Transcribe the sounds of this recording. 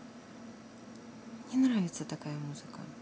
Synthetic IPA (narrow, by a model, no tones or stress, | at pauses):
nʲɛnɾavʲɛt̪sːɐt̪akajɐmuz̥ɨkɐ̰